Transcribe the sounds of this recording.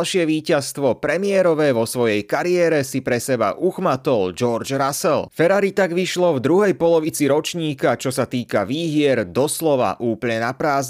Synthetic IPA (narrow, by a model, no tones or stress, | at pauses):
lʃɪɛʋiːcast̪ʋɔpɾɛmɪɛɾɔʋɛːʋɔsʋɔjɛjkaɾiɛːɾɛsipɾɛsɛba̰ʔuxmat̪ɔld͡ʒɔɾd͡ʒɾasɛlfɛɾaɾit̪aɡʋiʃlɔvd̪ɾuɦɛjpɔlɔʋit͡siɾɔt͡ʃɲiːkat͡ʃɔsat̪iːkaʋiːɦɪɛɾd̪ɔslɔʋa̰ʔuːpl̩ɲɛnapɾaːz